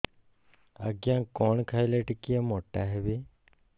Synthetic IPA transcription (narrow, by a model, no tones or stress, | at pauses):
ə̰ɡjãːkoːɳkʰaːileːʈɪkijamoːʈaːɦeʋeː